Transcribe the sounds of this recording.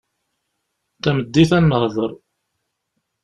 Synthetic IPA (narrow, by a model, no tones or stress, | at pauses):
θæməd̪ːiθænːəhðˤəɾˤ